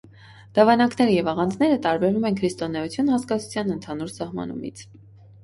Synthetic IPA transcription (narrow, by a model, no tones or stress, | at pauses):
d̪̥ɑvɑnɑknɛɾəjɛvɑʁɑnd͡znɛɾət̪ɑɾbɛɾumɛnkʰɾist̪ɔnɛut͡sʰjunhɑskɑt͡sʰu̥t͡sʰjɑnənt̪ʰɑnuɾsɑhmɑ̰nṵmḭt͡sʰ